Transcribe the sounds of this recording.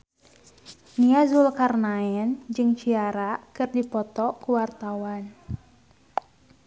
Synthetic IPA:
niazulkarnaɛnd͡ʒɨŋt͡ʃiaɾakɨrdipɔt̪ɔkuwart̪awan

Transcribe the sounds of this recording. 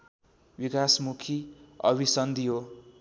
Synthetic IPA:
bikasmukʰiʌ̰bisʌnd̪iɦo

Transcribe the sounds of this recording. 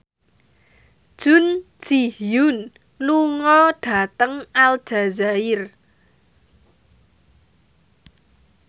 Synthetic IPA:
d̥ʒ̥ʊ̤n̥d͡ʒ̥ihjʊn | luŋɔɖ̥a̤t̪əŋal̥ʒ̥a̤zaɪr

